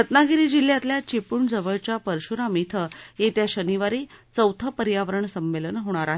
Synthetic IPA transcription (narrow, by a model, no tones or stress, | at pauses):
ɾət̪naɡiɾid͡ʑil̤jat̪ljat͡ɕepuːɳd͡zəʋəɭt͡ɕapəɾɕuɾamit̪ʰəjet̪jaɕəniʋaɾit͡səwt̪ʰəpəɾjaʋəɾəɳsəmːelənɦoɽ̃aɾaɦe